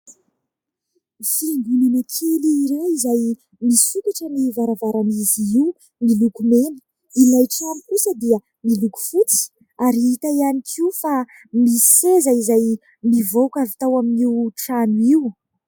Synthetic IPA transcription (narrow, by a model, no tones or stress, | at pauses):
find̪ulinakʰiliːɾeizaj | misukaʈ͡ʂənivaɾavaɾanizii | nilukumenə̥ | ilajʈ͡ʂamikusəd̪iə | miluku̥fut͡si̥ | aɾiit̪aianikʰiufa | misi̥sezaizaj | mivokavit̪awaminiwʈ͡ʂaniw